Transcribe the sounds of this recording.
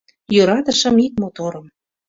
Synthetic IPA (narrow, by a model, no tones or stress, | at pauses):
jøɾɑt̪əʃə̆mit̪̚mot̪oɾə̆m